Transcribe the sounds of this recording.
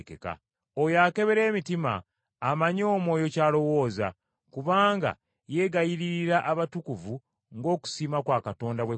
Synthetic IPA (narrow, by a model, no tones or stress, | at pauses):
kḛka̰ | ojake̞βe̞ɾe̞ːmitima̰ː | maɲo̞ːmwo̞ːjo̞caːlo̞wo̞ːza̰ | kuβaːŋɡa̰ | je̞ɡajiɾiɾiɾaʔaβatukuvu | ŋɡo̞ːku̥siːmakwaːkato̞ːndaβwe